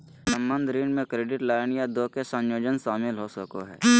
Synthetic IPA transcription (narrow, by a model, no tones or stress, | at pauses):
sə̃mbə̃nd̪ʱɾiːnmẽkɾeːɖɪʈlaːɪnjad̪oːkesə̃njoːd͡ʒənsaːmɪlɦoːsəkoɦɛ̰ː